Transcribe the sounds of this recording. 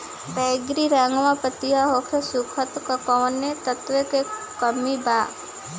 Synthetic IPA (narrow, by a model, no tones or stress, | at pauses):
bɛːɡɾiɾaːŋɡʋãpət̪ijaɦoːkʰesukʰət̪kɐkɔːnet̪ət̪weke | kɐmibaː